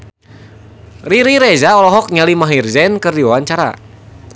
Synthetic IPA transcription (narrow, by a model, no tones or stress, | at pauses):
riɾiɾɛzaɔlɔɦɔk̚ɲalimaɦirzɛnkɨrdiwawant͡ʃaɾa̰